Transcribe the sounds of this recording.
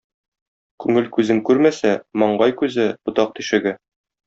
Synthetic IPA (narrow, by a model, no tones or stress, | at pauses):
kʉŋɘlkʉzɘŋkʉɾmæsæmɒɴɢɑjkʉzɘbŏt̪ɑq̚t̪iʃɘ̆ɡɘ